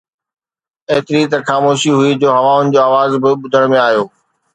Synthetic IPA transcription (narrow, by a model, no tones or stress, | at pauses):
eɦt̪ɪɾit̪ɐxaːmoːʃiɦʊid͡ʑoːɦɐʋãʊnɪ̆d͡ʑoːaːʋaːzbɪɓʊd̪ʱəɽ̃mẽaːɦjoː